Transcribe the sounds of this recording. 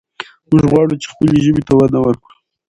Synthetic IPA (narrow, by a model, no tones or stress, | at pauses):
mʊʒɣwɑɽut͡ʃe̥xpəleʒəbit̪awad̪nawəɾkɽu